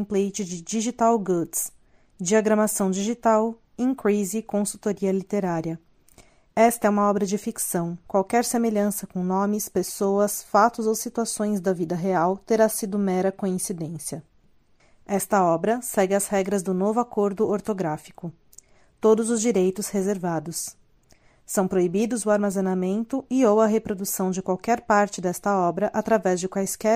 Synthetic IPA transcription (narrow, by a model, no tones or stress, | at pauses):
plejt͡ʃɪd͡ʒɪd͡ʒiʒit̪awɡuds | d͡ʒiaɡɾɐmasɐ̃w̃d͡ʒiʒit̪aw | ĩkɾizikõsuwt̪oɾiɐlit̪eɾaɾiɐ | ɛst̪ɐɛũmɐɔbɾɐd͡ʒɪfiksɐ̃w̃kwawkɛɾsemeʎɐ̃sɐkõnõmɪspesoɐsfat̪ʊzowsit̪uasõj̃zd̪ɐvid̪ɐɦeawt̪eɾasid̪ʊmɛɾɐkoĩsid̪ẽsiɐ | ɛst̪ɐɔbɾɐsɛɡɪɐzhɛɡɾɐzd̪ʊnovʊakoɾd̪ʊoɾt̪oɡɾafi̥kʊ | t̪od̪ʊzʊzd͡ʒiɾejt̪ʊshezeɾvad̪ʊs | sɐ̃w̃pɾoibid̪ʊzʊaɾmazenamẽnt̪ʊɪowɐɦepɾod̪usɐ̃w̃d͡ʒɪkwawkɛɾpaɾt͡ʃɪd̪ɛst̪ɐɔbɾɐʔat̪ɾavɛzd͡ʒɪkwajskɛ